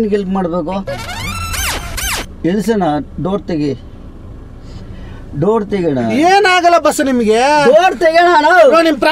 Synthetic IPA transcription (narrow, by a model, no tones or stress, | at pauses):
nɡelpmaːɽbeːko | elsɐnaɖoːɾt̪eɡi | ɖoːɾt̪eɡɛɳa̰eːnaːɡɐlːɐbɐsɐnimɐɡeɖoːɾt̪eɡɛɳananonimɐpɾɐ